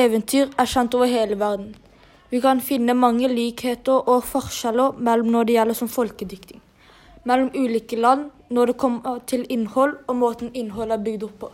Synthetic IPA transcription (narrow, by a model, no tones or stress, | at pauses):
eːʋənt̪ʰyːʁæɕɛnt̪oːʋəheːləʋæʁd̪n̩ | ʋɪkʰɑnfɪnːəmɑŋːəliːkheːt̪əɾɔfɔʁʃæləmɛlːɔmnɔɖ̪ɛjɛlːəsɔmfɔlkəd̪ʏkt̪ɪŋ | mɛlːɔmʉːliːkəlɑnː | nɔd̪ɛkʰɔmːət̪ʰɪlɪnhɔlɔmoːt̪n̩ɪnːhɔlæbʏɡd̪ɔpʰːɔː